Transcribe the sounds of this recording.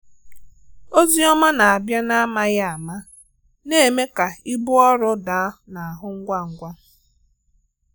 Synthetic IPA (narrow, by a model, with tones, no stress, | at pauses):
o˦zi˦ɔ˦ma˦na˨a˨bja˦na˦a˦ma˦ja˦a˨ma˦ | ne˦˨me˦ka˨i˦bʊ˦ɔ˦ɾʊ˦da˨˦na˨a˨ɦʊ˦ŋ̩˦ɡʷa˦ŋ̩˨ɡʷa˦